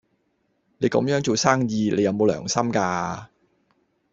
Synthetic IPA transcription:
ne˨˧jkɐ˨˧˥mjœː˨˥ŋt͡so˨wsaː˥ŋjiː˨˧le˨˧jɐ˨˧wmo˨˧wlœ̰ː˨˩ŋsɐ˥mkaː˧

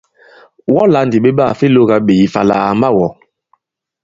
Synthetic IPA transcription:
wɔ˦la˨˦ndi˨ɓe˦ɓa˦˨fi˦lo˦ɡa˦ɓe˨ji˨fa˨la̰˨a̰˨ma˦wɔ˨

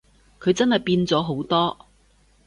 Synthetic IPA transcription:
kʰɵ˨˧ɥt͡sɐ˥nɦɐ˨˩jpiː˧nt͡sɔː˨˥ɦo˨˥wt̪ɔː˥

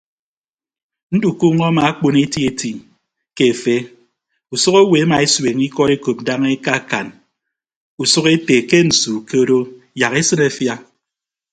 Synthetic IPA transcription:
n̩˦du˨ku˦ŋɔ˦ma˨a˦k͡po˦ne˦ti˦e˦ti˨ | ke˦˨fe˦ | u˨su˦ko˦we˨a˦ma˨e˦swe˨ŋi˦kɔ˦ɾe˦ko˨p̚da˦ŋe˦ka˦˨ka˨n | u˨su˦ke˦te˨ke˦n̩˨su˨ke˦ɾo˦ | ja˨ɣe˦sɨ˦ne˨fja˦

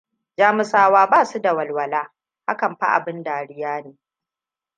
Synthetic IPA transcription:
d͡ʒaː˦mɪ˦saː˦waː˦baː˦˨su˦da˨wɐ˨lwɐ˨laː˦ | ha̰˦kɐ˨mɸa̰˦ʔa̰˨bɪ˦ndaː˨ɽɪ˦jaː˦neː˨

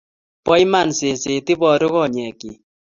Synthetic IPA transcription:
pɔ˦jma˨nse˨se˨ti˦bɔ˨ɾʊ˦ɣɔ˦˨ɲɛ˨ki˨

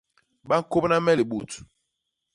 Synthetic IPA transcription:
ɓa˦ŋ̩˦ko˦pna˦mɛ˦li˨ɓu˨t

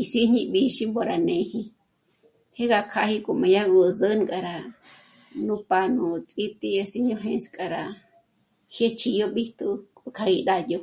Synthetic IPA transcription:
i˧si˦ɲĩ˧ɓi˧ʃi˦mbo˧ɾa˨nẽ˨hi˧ | he˦ɣa˧˨kʰa˧hi˧kʼo˨mã˨ja˦ɣu˧zə˦n˧kʼa˨ɾa˨ | nũ˦pa˧nũ˧t͡sʼi˦t̪ʼi˧a˧si˦ɲõ˧˦ɦẽ˧skʼa˨ɾa˨ | hje˦t͡ʃʰi˧jo˦ɓi˦t̪u˦kʼo˧kʰa˧ɣi˧ɗa˧jo˧

